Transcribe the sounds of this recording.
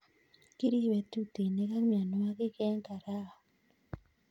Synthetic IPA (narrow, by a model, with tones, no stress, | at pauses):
ki˦ɾi˦wɛ˨tu˦te˨ne˦ka˦kmja˨no˦a˦kɪ˦kɛ˦ŋka˨ɾa˦ɔ˨